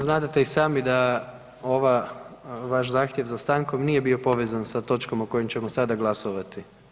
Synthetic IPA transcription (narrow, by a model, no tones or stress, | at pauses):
znaːd̪at̪eisaːmid̪a | o̞ʋa | ʋaʃzaːxt̪jeʋzast̪aːŋko̞mniːje̞bio̞po̞ʋeːzansat̪o̞t͡ʃko̞moko̞jimt͡ɕe̞mosad̪aɡlˠasoʋat̪i